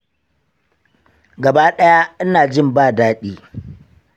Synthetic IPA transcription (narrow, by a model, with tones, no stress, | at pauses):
ɡɐ˨baː˦ɗɐ˦ja˦ʔɪ˦naː˨d͡ʒɪ˦˨mbaː˦˨daː˦ɗiː˦